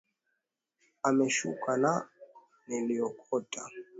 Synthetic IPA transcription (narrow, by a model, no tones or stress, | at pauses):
amɛʃṵkʼana | nɛliɔkʰʼɔtʼa